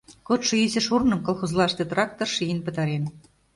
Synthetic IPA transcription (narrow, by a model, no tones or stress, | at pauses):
kot̪ʃoizɘ̆ʃurnɤ̆mkolˠxozlɑʃt̪ĕt̪rɑk̚t̪orʃijənpə̆t̪ɑɾen